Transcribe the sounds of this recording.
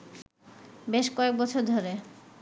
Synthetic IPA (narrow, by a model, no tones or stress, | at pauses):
beʃkɔek̚bɔt͡ɕʰoɾd̪ʱoɾe